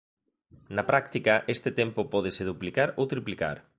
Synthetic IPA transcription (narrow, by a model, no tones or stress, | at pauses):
nɐpɾakt̪ikɐʔest̪ɪt̪empopɔð̞eseðuplikaɾowt̪ɾiplika̰ɾ